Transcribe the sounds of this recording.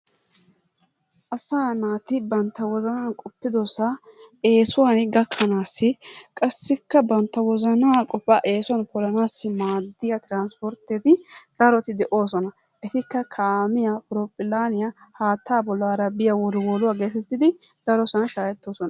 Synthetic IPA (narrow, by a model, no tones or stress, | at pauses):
ʔɐsaːnaːt̪ɪbɐnt̪ːɐwɔzɐnaːnkʼɔpːɪd̪ɔsɐe̞ːsʊwanɡɐkʰːɐnaːsːɪkʼɐsːɪkːɐbɐnt̪ːɐwɔzɐnaːkʼɔpːɐʔe̞ːsʊɐnpɔlɐnaːsːɪmaːd̪ːɪjɐt̪ɪɾaːnspɔɾt̪ːet̪ɪd̪̥ɐɾɔt̪ɪd̪ɛʔo̞ːsɔnɐ | ʔɛt̪ɪkːɐkʰaːmɪjapʊɾɔpʼːɪlaːnɪjɐhaːt̪ʰːaːbɔlːaːɾɐbɪjɐwɔɾwɔlʊwaːɡe̞ːt̪ɛt̪ːɪd̪ɪd̪̥ɐɾɔsɐnɐʃaːjɛt̪ːoːsɔnɐ